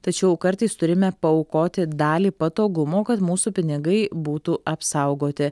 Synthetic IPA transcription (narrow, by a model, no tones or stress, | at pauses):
t̪ɐt͡ʃʲɛʊkɐɾt̪ɐɪst̪ʊɾʲɪmʲɛpɐɔʊkoːt̪ʲɪd̪ɑːlʲiːpɐt̪oːɡʊmoːkɐt̪muːsuːpʲɪnʲɪɡɐɪbuːt̪uːʔɐpsɐʊɡoːt̪ʲɪ